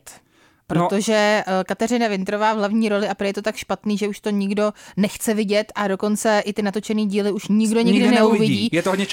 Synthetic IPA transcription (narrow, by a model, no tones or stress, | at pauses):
t̪ | pɾoo̞ʒɛkat̪ɛrɪnavɪnt̪ɾovaːvlavɲiːɾo̞lɪʔapɾojɛt̪ot̪akʃpat̪niːʒɛuʃt̪o̞ɲɪɡdonɛxt͡sɛvɪɟɛt̪ʔado̞ko̞nt͡sɛʔɪt̪ɪnat̪o̞t͡ʃɛniːɟiːlɪuʃɲɪɡdo̞ɲɪɡdɪnɛuvɪɟiːjɛt̪oɦdɲɛ